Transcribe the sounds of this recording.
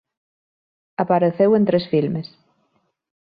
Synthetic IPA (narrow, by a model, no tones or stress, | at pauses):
apaɾeθewẽnt̪ɾesfilmes